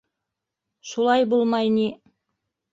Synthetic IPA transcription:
ʃulˠɑjbulˠmɑjni

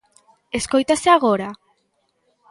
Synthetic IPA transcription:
e̞sko̞jt̪aseaɣo̞ɾa

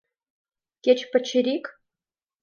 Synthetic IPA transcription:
kʲet͡ɕpɘ̆t͡ɕʰːɘ̆ɾʲik

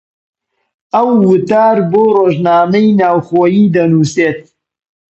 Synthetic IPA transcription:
ɐwːʊt̪aːɾboːroːʒnaːmɐjnaːwxoːjiːd̪ɐnuːseːt̪̚

